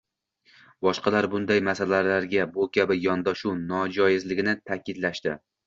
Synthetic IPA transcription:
bɒʃqɑlaɾbʊnd̪ajmasalalaɾɡʲabʊkʲʰabɪjɒnd̪ɒʃunɒd͡ʒɒjɪzlɪɡʲɪnɪt̪ʰakʲɪd̪laʃt̪ɪ

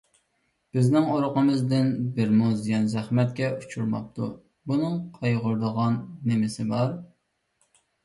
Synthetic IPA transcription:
b̥ɪznɪŋoɾʊqəmɨzd̪ɪnbɪɾmuzd̪ɪɡʲɛnzæχmɛt̪̚kʲɛut͡ʃʰuɾmɑ̰p̚t̪ʰṵ | bunɨŋqʰɑjʁʊɾd̪əʁɑnːɪmɪsɪbɑɾ

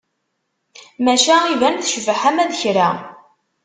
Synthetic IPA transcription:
mæʃæivænθʃvəħæmæðçɾa

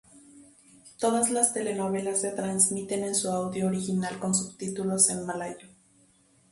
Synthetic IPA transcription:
t̪oðaslast̪ele̞noβe̞lasːe̞t̪ɾansmit̪ene̞nsuawðjoːɾixinalkonsuβt̪it̪ulosenmalajo

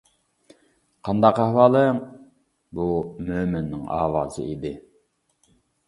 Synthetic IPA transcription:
qʰɑnd̪ɑqæhwɑːlˠɨŋ | bumøːmɪnːɪŋɑ̰ːwɑːzɨ̰id̪ɪ

